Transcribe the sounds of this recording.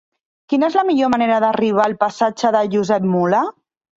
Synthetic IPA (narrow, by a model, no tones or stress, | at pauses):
kinəezləmiʎoməneɾəðəriβ̞aːlˠpəsad͡ʒəðəʒuzɛp̚mula